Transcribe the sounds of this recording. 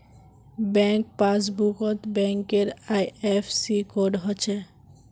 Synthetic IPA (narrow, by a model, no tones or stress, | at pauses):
bɛŋk̚pasbukot̪bɛŋkeɾajepʰsikoɾɖɦot͡ɕʰe